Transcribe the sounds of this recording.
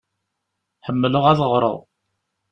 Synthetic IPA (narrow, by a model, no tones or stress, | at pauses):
ħəmːələʁæðəʁɾˤə̰ðˤ